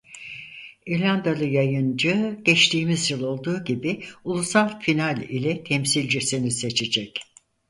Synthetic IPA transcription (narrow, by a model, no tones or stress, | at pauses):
iɾlʲand̪alˠɯjajɯnd͡ʒɯɟ̥ɛt͡ʃt̪ʰiːmizjɯlˠo̞lˠd̪uːɟibiulˠusalˠfinalʲilʲɛt̪ʰɛmsilʲd͡ʒisinise̞t͡ʃʰed͡ʒɛc